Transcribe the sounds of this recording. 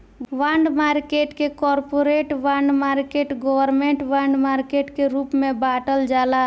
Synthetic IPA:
ʋaɳɖmaɾkeʈkekɔɾpoɾeʈʋãɳɖmaɾkeʈɡɔʋəɾmẽɳʈʋaɳɖmaɾkeʈkeɾupmebaʈəld͡ʒala

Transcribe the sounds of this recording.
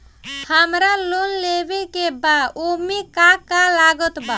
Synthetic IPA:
həmɾalonlebekebaomikakalaɡət̪ba

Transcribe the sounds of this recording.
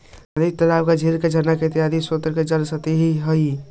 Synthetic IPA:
əd̪it̪əɾabkad͡ʒʱeɾked͡ʒənaket̪iad̪isot̪əɾked͡ʒəlsət̪eɦiɦəi

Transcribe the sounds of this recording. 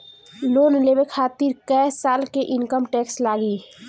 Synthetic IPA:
loːnleːʋekʰaːt̪iɾkɛːsaːlkeʔɪnkəmʈɛːkslaːɡiː

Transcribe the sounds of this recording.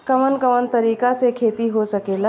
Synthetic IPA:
kəʋənkəʋənt̪ɐɾiːkasekʰeːt̪iɦosɐkeːla

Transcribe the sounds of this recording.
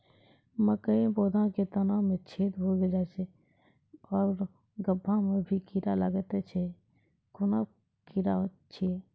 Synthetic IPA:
məkəĩboːd̪ʱãket̪ənamẽt͡ʃʰeːt̪ɦoɡed͡ʒat͡ʃʰɛ | ɔːɾ | ɡəbʱːãmẽbʱikiɾaləɡət̪et͡ʃʰɛ | kʊna | kiɾa | t͡ʃʰi

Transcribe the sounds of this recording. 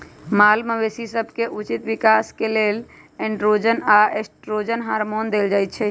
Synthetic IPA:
malməʋesisəbʱkeʔut͡ʃit̪ʋikaskelel | ɛ̃ɳɖɾod͡ʒənaesʈɾod͡ʒənɦaɾmond̪eld͡ʒajt̪̚t͡ʃʰɛ

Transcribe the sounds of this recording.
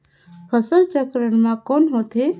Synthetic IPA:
pʰəsəld͡ʒəkɾəɳmãkoːnɦoːt̪ʰe

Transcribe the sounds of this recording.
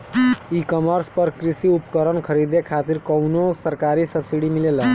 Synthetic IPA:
ikɔməɾspʌɾkɾisiupkəɾənkʰəɾid̪ekʰat̪iɾkɔwnosəɾkaɾisəbsiɽimilel

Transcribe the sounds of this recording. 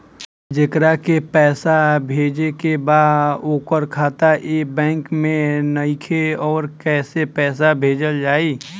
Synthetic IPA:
d͡ʒɪkɾakepɛːsabʱeːd͡ʒekebaːdoːkəɾkʰaːt̪aebɛ̃ːŋkmẽnəɪkʰeɔːɾkɛːsepɛːs̬abʱeːd͡ʒəld͡ʒaːiː

